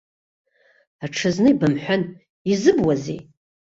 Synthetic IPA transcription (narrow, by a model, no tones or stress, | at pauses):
aʈ͡ʂʰɨznɨibamħʷan | izɨbwazḛj